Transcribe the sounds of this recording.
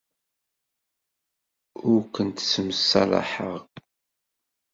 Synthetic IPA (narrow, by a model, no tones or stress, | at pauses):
ʊɾkənt̪səməsːɑlˤɑ̰ħəʁ